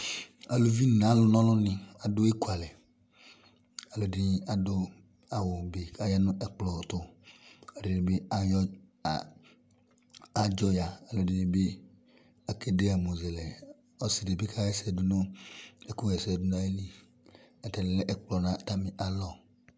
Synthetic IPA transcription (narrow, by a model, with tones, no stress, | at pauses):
a˨lo˨vi˦nã˨˦lʊ˨nɔ̃˦lʊ̃˦nɪ̃˨a˨dʊ˦e˦ku˦a˨lɛ˨ | a˨lo˨dɪ˦a˨dʊ˦ | a˨wo˨be˨ka˦ja˦nʊ̃˦ʔɛ˨k͡plɔ˨t̪ʊ˨a˨ɖe˨nɪ˨be˦a˦jɔ˦ | a˨d͡ʒɔ˦ja˨a˨lo˨di˦nĩ˦be˦ | a˨ke˦de˦a˨mo˨zɛ˨lɛ˨ | ɔ˦si˨de˨be˦kʰa˦jɛ˦sɛ˨dʊ˦nʊ̃˦e˨ku˦ɛ˨sɛ˨dʊ˦nã˦e˦li˦ | ɛ˨tɛ˨lɛ˨le˦ʔɛ˨k͡plɔ˨nã˨t̪a˦mĩ˨ʔa˨lɔ˨